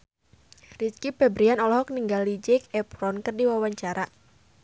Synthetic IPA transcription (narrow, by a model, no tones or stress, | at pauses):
riskipɛbɾianɔlɔɦɔk̚niŋɡalid͡ʒɛkɛpɾɔnkɨrdiwawaɲt͡ʃaɾa